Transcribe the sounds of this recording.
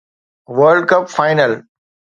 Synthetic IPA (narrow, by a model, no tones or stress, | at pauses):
ʋəɾɖ̚kɐpfaɪnəl